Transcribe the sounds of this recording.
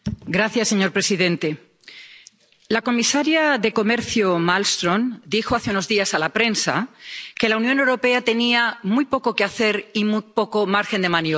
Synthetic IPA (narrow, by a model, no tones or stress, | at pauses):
ɡɾaθjasːe̞ɲo̞ɾpɾe̞siðẽ̞nt̪e̞ | lako̞misaɾjaðe̞ko̞me̞ɾθjomalst̪ɾõ̞nd̪ixoaθeuno̞zðiasalapɾe̞nsa̰ke̞launjonewɾo̞pe̞at̪e̞niamujpo̞ko̞keaθe̞ɾimupo̞ko̞maɾxe̞nd̪e̞manjo